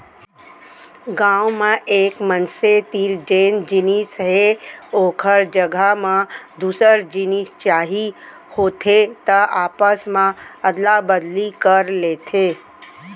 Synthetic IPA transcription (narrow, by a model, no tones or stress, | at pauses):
ɡãːwmãʔeːkmənset̪iːɾd͡ʒeːnd͡ʒɪnisɦeoːkʰəɾd͡ʒəɡʱamãd̪uːsəɾd͡ʒɪnist͡ʃaːɦi | hoːt̪ʰet̪əaːpəsmãɐd̪labəd̪likəɾleːt̪ʰeː